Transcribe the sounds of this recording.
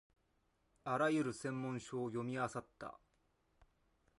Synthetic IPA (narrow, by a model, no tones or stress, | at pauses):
aɾajɯ̟ɾɯ̟sẽ̞mːõ̞ɰ̃ɕoːjo̞mʲiasat̪ːa̰